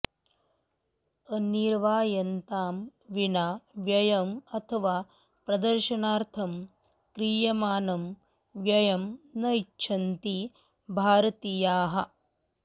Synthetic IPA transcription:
ɐniɾʋaːjɐnt̪aːmʋinaːʋjɐjɐmɐt̪ʰɐʋaː | pɾɐd̪ɐɾʃɐnaːɾt̪ʰɐm | kɾiːjɐmaːnɐm | ʋjɐjɐmnɐitːʃʰɐnt̪i | bʱaːɾɐt̪ijaːɦɐ

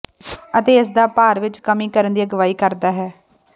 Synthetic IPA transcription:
ət̪eːɪs̬d̪aːpaːɾʋɪt͡ʃkəmĩːkəɾənd̪iːəɡəʋaːiːkəɾd̪aːɦɛː

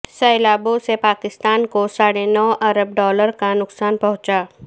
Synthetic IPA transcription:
sɐɪlaːbosepaːkɪst̪aːnkosaːɽenɔːʔɐɾəb̚ɖɔːləɾkanʊksaːnpɐɦʊ̃t͡ʃaː

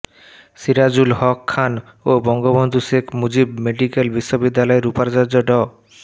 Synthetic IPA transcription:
siɾad͡ʑulhɔkʰːan | obɔŋɡobond̪ʱuʃekʰmud͡ʑibmeɖikelbiʃːobid̪ːalɔeɾupaɾd͡ʑaɾd͡ʑoɖɔ

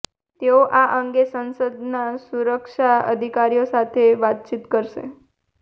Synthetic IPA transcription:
t̪eoʔaʔəŋɡesənsəd̪nasuɾəkʃaə̰d̪ʱikaɾijosat̪ʰeʋat̪̚t͡ʃit̪kəɾʃḛ

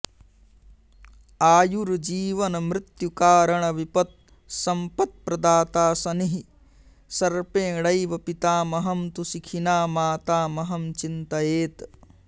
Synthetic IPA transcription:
aːjuɾd͡ʒiːʋɐnɐmɾɪt̪jukaːɾɐɳɐʋipɐt̪̚ | sɐmpɐt̪̚pɾɐd̪aːt̪aːsɐniɦi | sɐɾpẽːɽɐjʋɐpit̪aːmɐɦɐmt̪usikʰinaːmaːt̪aːmɐɦɐmt͡ʃint̪ɐjeːt̪

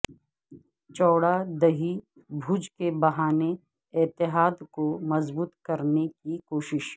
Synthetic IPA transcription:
t͡ʃɔːɽad̪ɐɦi | bʱuːd͡ʒkebɐɦaːne | ɪt̪ɪɦaːd̪komɐzbuːt̪kɐɾnekikoːʃɪʃ

